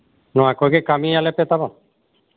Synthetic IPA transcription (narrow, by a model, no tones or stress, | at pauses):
nɔãkokekamialepet̪abɔn